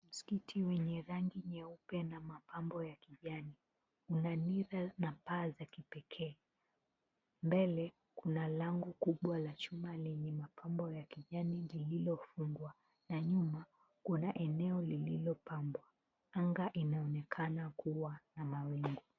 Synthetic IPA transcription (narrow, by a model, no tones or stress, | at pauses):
m̩si̥kitʰiwɛɲɛɾaŋɡiɲɛupɛnamapambɔjakiʄani | unaniɾanapaːzakipɛkʰɛː | mbɛlɛ | kunalaŋɡukuɓwalat͡ʃumalɛɲɛmapʰambɔjakiʄanilililɔfuŋɡwa | naɲuma | kunaʔɛnɛɔlililɔpambwa | aŋɡaʔinaɔnɛkʰanakuwanamawiŋɡu